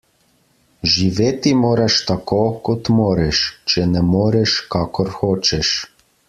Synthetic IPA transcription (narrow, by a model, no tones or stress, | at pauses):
ʒiʋet̪imoɾaʃt̪akokot̪moɾɛʃt͡ʃɛnɛmoɾɛʃkakɔɾxot͡ʃɛʃ